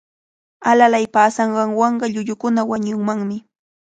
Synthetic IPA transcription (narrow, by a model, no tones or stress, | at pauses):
alalajpaːsɑɴɢɑŋwɑɴɢɑʎʊʎʊkʊnawaɲʊŋmaŋmɪ